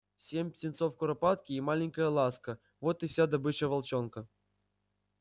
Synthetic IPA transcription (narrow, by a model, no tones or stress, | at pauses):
sʲemʲpʲtʲɪnt̪sofkʊɾɐpat̪kʲiːmalʲɪŋʲkəjəlˠaskə | vot̪ɨfsʲad̪ɐbɨt͡ɕəvɐlˠt͡ɕonkə